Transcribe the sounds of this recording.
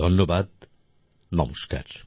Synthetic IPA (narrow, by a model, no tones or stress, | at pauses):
onːobad̪ | nɔmoʃka̰ɾ